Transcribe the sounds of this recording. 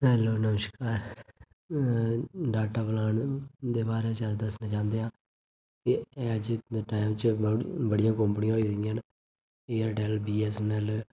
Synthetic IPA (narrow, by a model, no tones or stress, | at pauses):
ɦɛːloːnəməʃkaːɾ | ɖaːʈaːplaːɳd̪eːbaːɾeːt͡ʃad̪əsnãːt͡ʃãːnd̪eːɦãː | kɪɛ̃əd͡ʒʈaːɪmt͡ʃbəɽijãːkəmpɳijãːɦoiːd̪ɪijãːn | eːaːɾɖɛːlbiːɛːsnɛːl